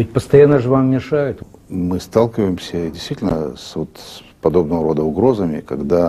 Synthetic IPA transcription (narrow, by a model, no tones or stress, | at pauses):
ɪt̚ʲpəst̪ɐjanːəʐɨvammʲɪʂajɪt̪mɨst̪alˠkʲɪvəjɪmsʲədʲɪsʲt̪vitʲɪlʲnə̰svo̞t̪ | pɐd̪o̞bnəvəɾo̞d̪əʊɡɾo̞zəmʲɪ̰kɐɡd̪a